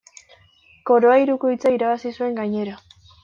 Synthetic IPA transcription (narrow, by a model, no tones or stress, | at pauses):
ko̞ɾo̞aiɾukojt͡saiɾaβasisue̞ŋɡaɲe̞ɾa